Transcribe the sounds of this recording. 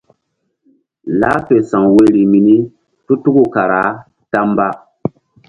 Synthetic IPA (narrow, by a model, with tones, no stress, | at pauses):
la˦fe˨sã˨ŋwe˦ɾi˨mi˨ni˦ | tu˦tu˦ɡu˦ka˨ɾa˨˦ | ta˦mba˦